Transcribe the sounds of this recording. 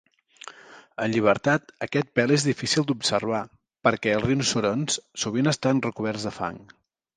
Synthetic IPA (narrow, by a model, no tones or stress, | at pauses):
ənʎiβ̞əɾt̪at̪əkɛt̪̚pɛlˠezðifisilˠd̪upsəɾβ̞a | pəɾkɛəlˠrinsuɾonssuβ̞inəst̪anrəkuβ̞ɛɾzðəfa̰ŋ